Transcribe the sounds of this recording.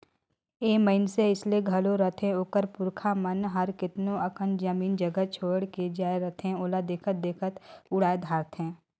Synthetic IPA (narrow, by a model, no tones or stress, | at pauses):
eːməɪnseɪslieɡʱɐloɾət̪ʰẽoːkəɾpʊɾkʰamənɦəɾkɪt̪nõɐkənd͡ʒd͡ʒəmiːnd͡ʒəɡət͡ʃʰoːɽked͡ʒaːeɾɐt̪ʰẽoːlad̪eːkʰət̪̚d̪eːkʰət̪ʊɽaːed̪ʱaːɾt̪ɦɛ̃ː